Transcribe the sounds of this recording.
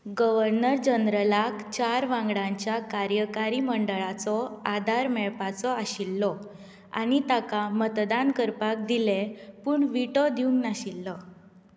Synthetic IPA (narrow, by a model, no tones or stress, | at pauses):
ɡəʋəɾnəɾd͡ʑənɾəlakt͡ɕaɾʋãŋɡɽãɲt͡ɕjakaɾjəkaɾiməɳɖəɭat͡sɔad̪ʱaɾmɛɭpat͡sɔaɕilːɔ | a̰ɽ̃it̪akamət̪d̪ankəɾpak̚d̪ilepuːɳʋiʈɔd̪iuŋɡnaɕilːɔ